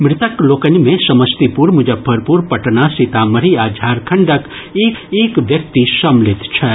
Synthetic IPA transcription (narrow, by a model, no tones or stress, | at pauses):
mɾɪt̪əkloːkənimẽsɐməst̪ipuɾmud͡ʒɐbʱɐɾpuːɾpɐʈnasit̪amɐɾiaːd͡ʒʱaːɾkʰɐɳɖək | eːkeːkʋjɐk̚t̪isɐmlɪt̪t͡ʃʰɛ